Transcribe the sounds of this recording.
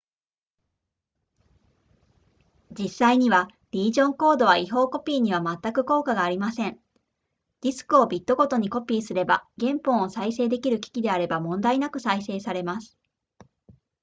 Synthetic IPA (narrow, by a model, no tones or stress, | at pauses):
d͡ʑisaiɲ̟iβa | ɾʲiːʑõ̞ŋko̞ːd̪o̞βaiɦo̞ːko̞pʲiːɲ̟iβ̞amat̪ːakɯ̟ko̞ːkaɡaːɾʲimasẽ̞ŋ | dʲisɨ̥kɯ̟o̞bʲit̪ːo̞ɡo̞t̪o̞ɲ̟iko̞pʲiːsɨɾe̞baɡẽ̞mpõ̞ɰ̃osaise̞ːd̪e̞kʲiɾɯ̟kʲi̥kʲid̪e̞aɾe̞bamõ̞nd̪ainakɯ̟saise̞ːsaɾe̞masɨ̥